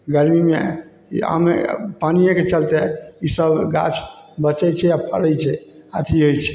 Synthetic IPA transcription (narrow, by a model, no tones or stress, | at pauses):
ɡəɾmime | a̰mḛpanijẽket͡ʃəlt̪ɛisəbɡa̰t͡ʃʰbət͡ʃɛt͡ʃʰɛjapʰə̰ɽəjt͡ʃʰɛat̪ʰiɦojt͡ʃʰɛ̥